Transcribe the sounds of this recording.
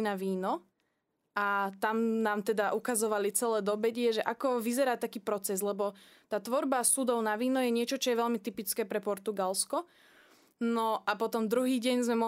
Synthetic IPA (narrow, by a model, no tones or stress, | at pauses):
naʋiːnɔ | ʔat̪amnaːmt̪ɛd̪aʔukazɔʋalit͡sɛlɛːd̪ɔbɛɟɪɛʒɛʔakɔʋizɛɾaːt̪akiːpɾɔt͡sɛzlɛbɔ | t̪aːt̪ʋɔɾbasud̪ɔʊnaʋiːnɔjɛɲɪɛt͡ʃɔt͡ʃɔjɛʋɛʎmit̪ipit͡skɛːpɾɛpɔɾt̪uɡalskɔ | nɔʔapɔt̪ɔmd̪ɾuɦiːɟɛɲzmɛmɔ